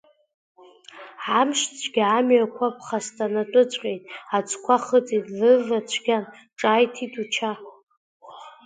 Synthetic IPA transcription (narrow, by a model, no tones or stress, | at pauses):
ʕamʂt͡sʷʰɡʲamɥakʷʰap̚ʰχastʰʼanatʼʊt͡ɕʷʼqʲʼejtʼat͡ʃʷʰʼkʷʰaχət͡sʼitʼlɨlat͡ɕʷʰɡʲan | ʈ͡ʂʼaːjtʰitʰʼut͡ʃʰa